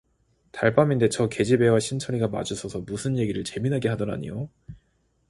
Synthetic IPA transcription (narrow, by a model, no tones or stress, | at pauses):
taɭp͈aminde̞t͡ɕʰʌke̞d͡ʑibe̞waɕʰint͡ɕʰʌɾiɡama̰d͡ʑusʰʌsʰʌmusʰɯnje̞ɡiɾɯɭt͡ɕe̞minɦaɡe̞ɦadʌna̰ɲḭjo